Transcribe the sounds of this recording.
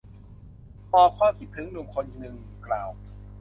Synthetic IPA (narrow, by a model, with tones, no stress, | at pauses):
pɔː˨˩kʰwaː˧mpʰi˨˩t̪̚t̪ʰɯ˦ŋnu˨˩əŋkʰo˧n˨˧nɯ˧ŋklaː˨˩w